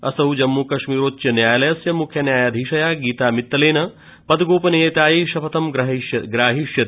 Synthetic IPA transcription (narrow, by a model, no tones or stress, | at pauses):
ɐsɐɦud͡ʒɐmːuːkɐʃmiːɾoːt̪ːjɐnjaːjɐlɐjɐsjɐmukʰjɐnjaːjaːd̪ʱiːʃɐjaːɡiːt̪aːmit̪ːɐleːnɐ | pɐd̪ɡoːpɐnejet̪aːjeːʃɐpʰɐt̪ɐmɡɾɐɦjɐɡɾaːɦiʃjɐ